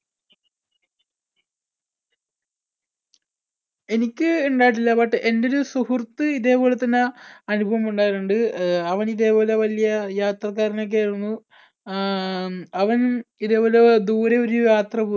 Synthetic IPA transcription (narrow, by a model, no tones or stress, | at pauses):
e̞nikʲːɨuɳɖaːjʈ̬ːilːɐpɐʈːɨʔe̞ndo̞ɾusuhurt̪ːɨiðe̞ːbo̞ːlet̪ːɐnːeɐnubʱɐʋɐmuɳɖaːjiɾuɳɖɨɐʋɐniðe̞ːbo̞ːleʋɐlijɐjaːt̪rɐkːaːɾino̞k̬ːeːunːu | ɐʋɐniðeːbo̞ːled̪uːɾeo̞ɾujaːt̪rɐbu